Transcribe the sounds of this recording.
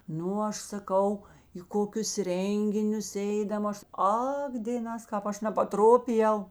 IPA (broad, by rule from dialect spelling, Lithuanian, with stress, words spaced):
ˈnʊ ˈɐʃ sɐˈkɐʊ iː ˈkoːkʲʊs ˈrʲɛŋʲɡʲɪnʲʊs ˈɛɪdɐm ˈɐʃ ˈɐk dʲeːˈnɑːs ˈkɑːp ˈɐʃ nʲɛpɐˈtroːpʲɪjɛʊ